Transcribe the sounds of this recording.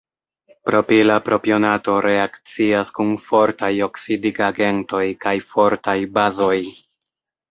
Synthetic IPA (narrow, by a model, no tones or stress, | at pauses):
pɾo̞pilapɾo̞pio̞nato̞ɾe̞akt͡siaskunfo̞ɾtajo̞ksidiɡaɡe̞nto̞jkajfo̞ɾtajbazo̞j